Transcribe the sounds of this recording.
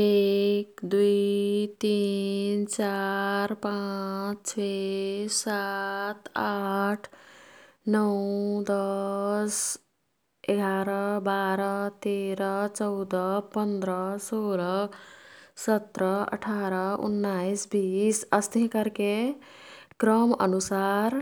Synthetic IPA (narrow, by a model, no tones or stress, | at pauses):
ekd̪uit̪int͡ʃaɾpat͡ʃt͡ʃʰesat̪aʈʰ | nʌwd̪ʌs | eɡʱaɾʌbaɾʌt̪eɾʌt͡ʃʌʊd̪ʌpənd̪ɾʌsolʌ | sət̪ɾʌə̰ʈʰaɾʌṵnːaisbisəst̪eɦkəɾke | kɾəmə̰nusaɾ